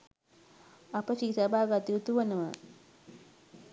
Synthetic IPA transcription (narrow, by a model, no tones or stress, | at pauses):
ɐpəʃisabʱaːɡat̪iut̪uʋənəʋə̰